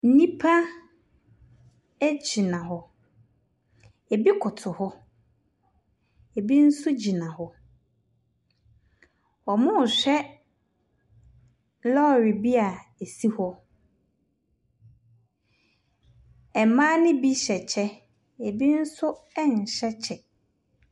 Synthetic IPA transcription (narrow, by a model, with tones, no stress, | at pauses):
n̩˦nĩ˦pʰa˦ | æ˦d͡ʑi˨nã˨ɦɔ˦ | e˨bi˦kʰʊ˨tʰʊ˨hɔ˦ | e˨bi˦n̩˦sʊ˦d͡ʑi˨nã˨hɔ˦ | ɔ˨mʊ̃˦˨ɕᶣɛ˦ | lɔ˦˨ɾi˨bi˦a˨e˨si˦hɔ˦ | ɛ˨mã˦nɪ̃˦bi˦ɕɛ˨t͡ɕʰɛ˦ | e˨bi˦n̩˦sʊ˦ɛ˦ɲ̩˨ɕɛ˦t͡ɕʰɛ˨